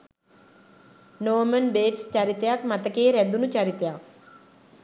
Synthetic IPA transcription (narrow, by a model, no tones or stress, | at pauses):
noːmənbeːʈst͡ʃaɾɪt̪jaːkmət̪əkeːɾɛd̪unũt͡ʃəɾɪt̪jaː